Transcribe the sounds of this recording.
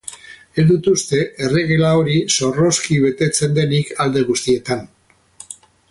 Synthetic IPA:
e̞zd̪ut̪ust̪e̞ʔere̞ɣ̞elao̞ɾiso̞ro̞skiβe̞t̪e̞t͡se̞nd̪e̞nikald̪e̞ɣ̞ust̪ie̞t̪an

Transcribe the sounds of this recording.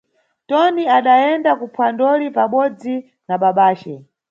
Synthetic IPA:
tɔniaɗajɛndakupʰwandɔlipaɓɔd͡zi | naɓaɓaːt͡ʃɛ

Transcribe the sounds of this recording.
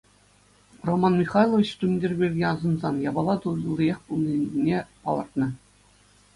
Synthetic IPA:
romɑnmʲiχɑjlˠovʲit͡ɕt̪umʲdʲirʲbʲirʲɡʲeɑzɤ̆nzɑnjɑbɑlˠɑt̪ulʲlʲˠːijeχpulˠnʲinʲːepɑ̰lˠɤ̆rt̪nɤ̆

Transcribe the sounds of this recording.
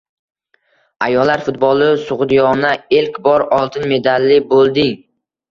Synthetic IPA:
ajɒlːaɾfʊt̪̚bɒlˠɪsʊʁd̪ijɒnaelkʲbɒɾɒlˠt̪ʰɪnme̞d̪alːɪbolˠd̪ɪŋ

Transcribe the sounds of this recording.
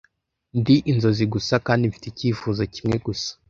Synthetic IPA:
ndiʔinzo̞ziɡusakaːndiɱfi̥teciːfuːzacimŋe̞ɡusḁ

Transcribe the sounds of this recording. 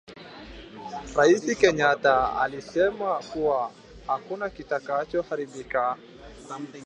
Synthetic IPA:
ɾaisikɛɲataa̰lisɛmakua | hakunakitakat͡ʃɔhaɾiɓika

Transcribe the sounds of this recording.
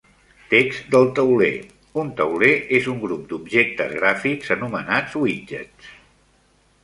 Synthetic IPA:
t̪ekz̥d̪əlˠt̪əwlḛ | unt̪əwleʔezuŋɡɾup̚d̪ubʒek̚t̪əzɣɾafikzənumənad͡zwid͡ʒə̰t

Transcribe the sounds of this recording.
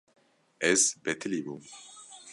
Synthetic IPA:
ɛzbɛt̪ʰɨlibu

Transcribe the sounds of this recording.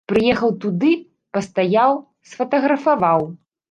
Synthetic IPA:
pɾɨjɛxɐwt̪ud̪ɨ | pɐst̪ajaw | sfɐt̪ɐɣɾɐfavaw

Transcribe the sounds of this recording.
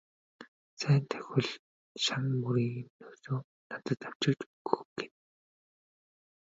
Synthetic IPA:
st͡sʰæːnt̪ʰæ̥xʲɘ̆ɮ | ʃaŋpuɾiːɣnoːsoː | nat̪ə̆t̪aw̥t͡ɕɪ̆kt͡ɕuɣɵɡ̥en

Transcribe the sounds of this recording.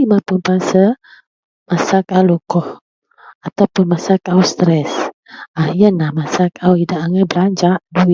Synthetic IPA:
imapunpasə | masakawlukɔh | at̪awpʊnmasakawst̪ɾɛsahjənahmasakawidaʔaŋabəlaɲd͡ʒaʔdui

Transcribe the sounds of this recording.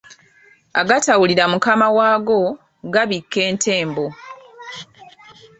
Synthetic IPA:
aɡatawuliɾamukamawaːɡo̞ | ɡaβikːe̞ːntʰe̞ːmbo̞

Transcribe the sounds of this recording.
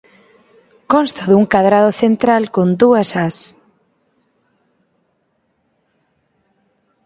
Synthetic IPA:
kɔnst̪aðuŋkaðɾaðoθent̪ɾalkond̪uɐsas

